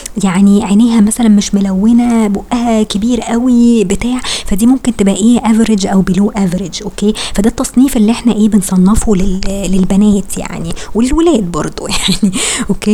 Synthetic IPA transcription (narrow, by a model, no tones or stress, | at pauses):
jaʕniʕenæːɦæmæsælænmeʃmolæwːenæboʔʔæhækebiːɾʔæwibet̪aːʕfæd̪iːmomkent̪ebʔæʔeːʔæveɾed͡ʒʔæwbeluːʔæveɾed͡ʒʔokːeːfæd̪æt̪ːɑsˤniːfʔelːiʔeħnæʔeːbensˤɑnːefolellelbænæːt̪ja̰ʕniwelelwelæːd̪̚bɑɾˤd̪ˤo̰jaʕniʔokːeː